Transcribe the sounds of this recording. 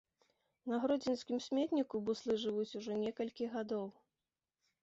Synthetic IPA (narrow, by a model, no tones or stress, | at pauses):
nɐɣɾɔd͡zʲinskʲimsʲmʲɛt̪nʲikubuslˠɨʐɨvut͡sʲuʐɔnʲɛkɐlʲkʲiɣad̪ɔw